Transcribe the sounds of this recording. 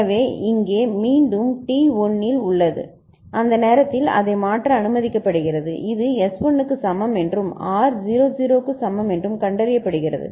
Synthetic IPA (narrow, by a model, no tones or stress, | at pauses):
ʋeːɪŋɡeːmiːɳɖɯmʈiːɔnːɪlʊɭːɐðɯ̰ | ʔɐnd̪ɐneːɾɐt̪ːɪlɐ̰ðɐɪmaːʈrɐːnɯmɐðɪkːɐpːɐɽɯɣɪrɐðɯ̰ʔɪðɯɛsɔnɯkːɯsɐmːɐmɛndrɯmaːɾd͡ʒiːɾoːd͡ʒiːɾoːkːɯsɐmːɐmɛndrɯmkɐɳɖɐɾɪjɐpːɐɽɯɣɪrɐ̰ðɯ̰